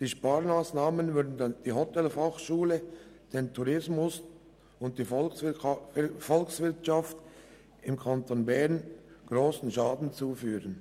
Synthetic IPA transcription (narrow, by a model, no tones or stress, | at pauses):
d̥iːʃpaːɾmaːsnaːmənvʏɾdn̩dd̥iːhɔtɛlfaχʃuːlə | d̥eːntʰuʁɪsmʊs | ʊnt̚td̥iːfɔ | fɔlksvɪɾtʃaft | ɪmkʰantonbɛɾnɡ̥ʁoːsn̩ʃaːdn̩t͡suːfyːʁən